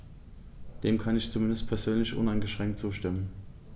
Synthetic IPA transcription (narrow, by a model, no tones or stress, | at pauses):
d̥eːmkʰanɪçt͡sumɪndəst̚pʰɛɐzøːnlɪçʔʊ̰naɪnɡəʃʁ̥ɛŋk̚tt͡suːʃtɪmən